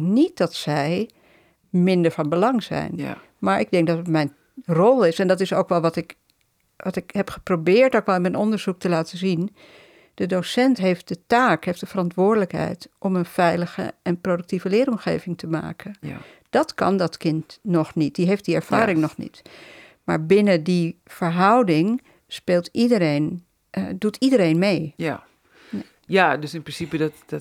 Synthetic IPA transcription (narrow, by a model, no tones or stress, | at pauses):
nit̚dɑtsɛj | mɪndəɹvɑnbəlɑŋzɛ̰jn | maːɹʔɪɡ̚dɛŋk̚dɑtətmɛjn | rɔlˠɪsɛndɑtɪsowkʋɛlˠʋɑtɪk | ʋɑtɪkɦɛpχəprobɪːɹtowkʋɛlˠɪnmɛnɔndəɹzuk̚təlaːtəzin | d̥ədowsɛntɦejft̚dətaːkɦejftdəv̥ərɑntʋʊːɹdələkɦɛ̰jtʔɔmənv̥ɛjləχə̰ʔɛnprowdək̚tivəlɪːɾɔmχḛjvɪŋtəma̰ːkʰən | d̥ɑtkɑ̰ndɑtkɪntnɔχnit̚diɦejftdiɛɹv̥a̰ːɾɪŋnɔχnḭt | ma̰ːɹbɪnədifəɹɦʌwdɪŋ | speːlˠtidəɾejn | dutʰidəɾejnmej | a | jadəsɪnprɪnsipədt